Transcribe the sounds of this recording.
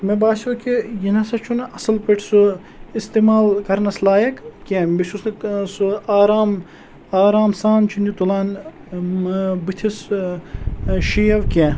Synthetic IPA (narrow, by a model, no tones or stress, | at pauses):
mebaːsukijinɐsɐt͡ʃʰunɐsɐlpəʈʰsu | ist̪eːmaːlkɐɾnɐslaːjɐkkʲẽːbisusnɐsɨaːɾaːm | aːɾaːmsaːnt͡ʃʰunʲit̪ulaːn | bɨt̪ʰis | ʃijɐʋkʲẽː